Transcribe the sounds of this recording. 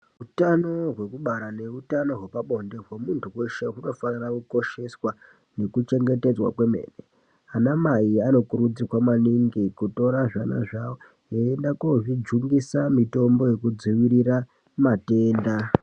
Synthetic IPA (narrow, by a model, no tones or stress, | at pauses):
ɦutano̞ɦwe̞kuɓaɾane̞utano̞ɦwepaɓo̞nde̞ɦwemuntʰuwe̞ʃe̞ɦuno̞fanirakuko̞ʃe̞swa | ne̞kut͡ʃe̞ŋɡe̞te̞d͡zwa̰kwe̞me̞̰ːne | anamaiano̞kuɾud͡zikwamaniŋɡikuto̞ɾaʐana̰ʐawo | eendakoʐid͡ʒuŋɡisamito̞mbo̞je̞kud͡ziʋiɾira | mate̞ːnda